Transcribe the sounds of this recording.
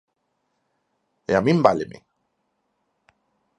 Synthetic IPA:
eamimbalemḛ

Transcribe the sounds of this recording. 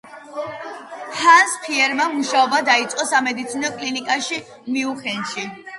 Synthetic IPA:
hanspʰiɛɾmamuʃaɔbad̪ait̪sʼqʼɔsamɛd̪it̪sʰinɔkʼlinikʼaʃi | miuχɛnʃi

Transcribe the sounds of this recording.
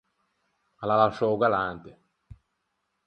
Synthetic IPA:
alalaʃɔwɡalant̪e

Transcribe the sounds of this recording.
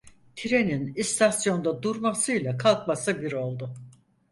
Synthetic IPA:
t̪ʰiɾe̞ninist̪ʰasjo̞nd̪ad̪uɾmasɯjlˠakʰalˠkmasɯbiɾo̞lˠd̪ʊ

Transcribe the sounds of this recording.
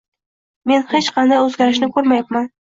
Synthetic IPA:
me̞nhet͡ʃqʰɑnd̪ajɵzɡʲaɾɪʃnɪkʰoɾmajapman

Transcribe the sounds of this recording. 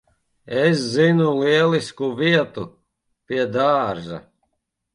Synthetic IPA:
es̬zinuliɛlˠiskuviɛt̪u | piɛd̪aːɾʒa̰

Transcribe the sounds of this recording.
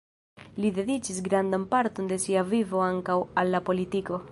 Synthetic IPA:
lid̪e̞d̪it͡ʃisɡɾand̪ampaɾt̪o̞nd̪e̞siavivo̞aŋkawalːapo̞lit̪iko̞

